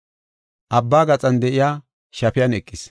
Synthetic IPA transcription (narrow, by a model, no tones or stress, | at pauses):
ʔɐbːaːɡɐt͡sʼɐnd̪ɛʔɪjaː | ʃɐpɪjɐnɛkʼːɪs